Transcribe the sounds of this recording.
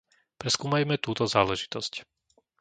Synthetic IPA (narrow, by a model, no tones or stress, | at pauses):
pɾɛskuːmajmɛt̪uːt̪ɔzaːlɛʒi̥t̪ɔsc